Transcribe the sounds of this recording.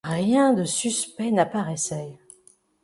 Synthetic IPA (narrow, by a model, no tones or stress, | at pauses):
ʁjɛ̃d̪əsyspɛnapaʁɛsɛ